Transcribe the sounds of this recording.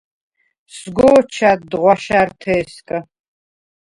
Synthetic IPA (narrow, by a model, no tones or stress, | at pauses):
sɡʷoːt͡ʃʰaːtdʁʷɑʃartʰeːskʼɐ